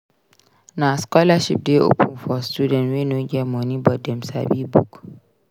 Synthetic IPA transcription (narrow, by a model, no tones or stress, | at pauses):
naskɔlaʃḭp̚deʔṵpʰunfɔstuːdɛ̃nwenoɡʲɛmonibɔdɛmsa̰ɓiːbṵk